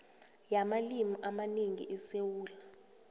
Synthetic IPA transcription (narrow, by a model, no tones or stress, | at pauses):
jamalimiʔamaneŋḭʔɛsewuːla